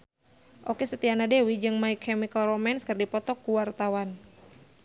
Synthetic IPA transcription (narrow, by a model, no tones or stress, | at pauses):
ʔokesət̪ianadewid͡ʒɨŋmaikʰːɛmikalrɔmɛnskɨrdipɔt̪ɔkːuwart̪awan